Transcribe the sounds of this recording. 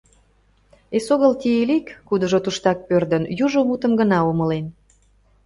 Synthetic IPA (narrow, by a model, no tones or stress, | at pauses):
esoɣəlt̪ʲielikːud̪ə̆ʒot̪uʃt̪ɑk̚pørd̪ənjuʒomut̪ə̆mɡənɑomə̆len